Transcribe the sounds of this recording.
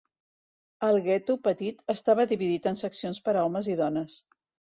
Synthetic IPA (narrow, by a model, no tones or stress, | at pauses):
əlˠɣɛt̪upət̪it̪əst̪aβəðiβiðit̪ənsəksionspəɾəɔməziðɔnəs